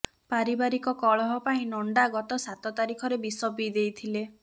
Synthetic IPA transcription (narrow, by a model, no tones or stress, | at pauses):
paɾibaɾikɔkɔɭɔɦɔpaĩnɔɳɖaɡɔt̪ɔsat̪ɔt̪aɾikʰɔɾebisɔpid̪ejt̪ʰile